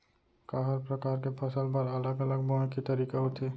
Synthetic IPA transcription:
kaɦaɾpɾɔkaɾkepʰɔsalbaɾalaɡalaɡ̚bɔekit̪aɾikaɦot̪ʰe

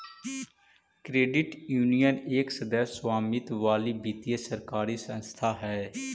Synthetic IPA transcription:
kɾeːɖɪʈjuːnijəneːksəd̪əsswaːmɪt̪ʋaːliːbiːt̪ijəsəɾkaːɾiːsə̃nst̪ʰaːɦɛː

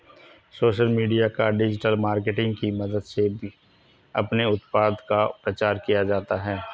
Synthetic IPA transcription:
soːʃəlmiːɖijakaɖɪd͡ʒɪʈəlmaːɾkeʈɪ̃ŋɡkimɐd̪əd̪sebʱi | ɐ̰pneʊt̪paːd̪kapɾɐt͡ʃaːɾkijad͡ʒaːt̪aɦɛː

